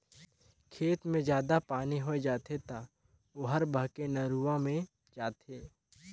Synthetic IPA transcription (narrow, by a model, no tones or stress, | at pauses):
kʰeːt̪mẽd͡ʒjaːd̪apaːniɦoed͡ʒaːt̪ʰet̪a | oɦɐɾbəɦkenɐɾuʋãmẽ | d͡ʒaːt̪ʰeː